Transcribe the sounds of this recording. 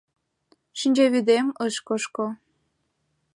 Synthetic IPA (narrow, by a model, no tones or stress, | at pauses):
ʃinʲd͡ʑeβyd̪eməʃkoʃko